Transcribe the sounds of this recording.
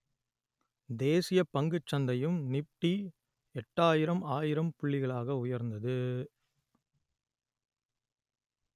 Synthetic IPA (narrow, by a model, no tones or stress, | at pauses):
d̪eːsɪjɐpɐŋɡɯt͡ʃːɐnd̪ɐjɯmnɪpʈːi | ɛʈːaːjɪɾɐmaːjɪɾɐmpʊɭːɪɣɐɭaːɣɐʊjɐɾnd̪ɐðɯ